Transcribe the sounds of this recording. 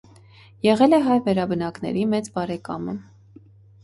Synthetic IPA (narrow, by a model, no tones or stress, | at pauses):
jɛʁɛlɛɦɑjvɛɾɑbənɑknɛ̰ɾimɛt͡sbɑɾɛkɑ̰mə̰